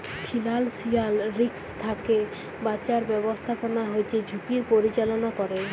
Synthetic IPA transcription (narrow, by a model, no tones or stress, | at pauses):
pʰilalsialɾikst̪ʰake | bat͡ɕaɾbɛbost̪ʰaponaɦojt͡ʃʰed͡ʑʱukiɾpoɾit͡ɕalonakɔɾe